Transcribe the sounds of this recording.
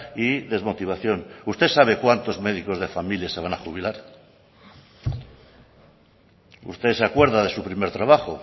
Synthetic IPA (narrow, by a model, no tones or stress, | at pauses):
iðe̞zmo̞t̪iβ̞aθjo̞nust̪esaβ̞e̞kwant̪o̞zme̞ðiko̞zðe̞familjase̞β̞anaχuβ̞ilaɾ | ṵst̪e̞seakwe̞ɾðaðe̞supɾime̞ɾt̪ɾaβ̞aχo